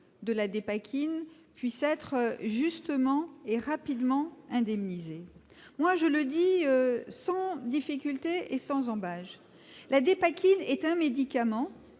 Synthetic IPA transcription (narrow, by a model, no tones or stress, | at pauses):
d̪əlad̪epakʲʰin | pɥisɛt̪χʒyst̪əmɑ̃eʁapid̪mɑ̃ɛ̃d̪ɛmnize | mwaʒələd̪iøsɑ̃d̪ifikʲylt̪eesɑ̃zɑ̃baʒ | lad̪epakʲʰinɛt̪ɛ̃med̪ikamɑ̃